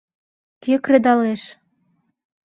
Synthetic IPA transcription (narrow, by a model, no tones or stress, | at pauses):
kekrĕd̪ɑleʃ